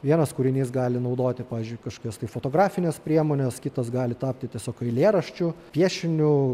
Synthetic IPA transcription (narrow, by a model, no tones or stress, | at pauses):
ʋʲiɛnɐskʊɾʲɪnʲiːsɡɑːlʲɪnɐʊd̪oːt̪ʲɪpɑːʋʲɪːzʲd͡ʒʲʊɪkɐʃkoːkʲoːst̪ɐɪfot̪oːɡɾɑːfʲɪnʲespʲɾʲiɛmoːnʲɛskʲɪt̪ɐsɡɑːlʲɪt̪ɑːpʲt̪ʲɪt̪ʲiɛsʲoːkɐɪlʲeːɾɐʃʲt͡ʃʲʊpʲiɛʃʲɪnʲʊ